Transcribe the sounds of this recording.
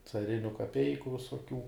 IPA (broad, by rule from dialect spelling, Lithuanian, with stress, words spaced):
t͡sɐˈrʲɪnʲʊ kɐˈpʲɛɪkʊ ʋʲɪsoːˈkʲuː